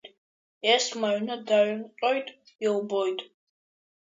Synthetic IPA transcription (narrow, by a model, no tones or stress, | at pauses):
ɛsmaɥnad̪aɥnqʼɔjtʼ | ilbɔjtʼ